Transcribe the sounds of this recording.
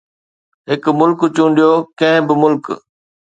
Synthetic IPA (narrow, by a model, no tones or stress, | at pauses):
ɦɪkmʊlkt͡ɕũːɳ̆ɖijokɐ̃ɦɪ̃bɪmʊlk